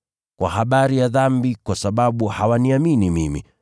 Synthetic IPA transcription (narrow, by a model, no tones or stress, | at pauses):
kwa̰haɓaɾijaðambikwasaɓaɓuhawaniaminimimḭ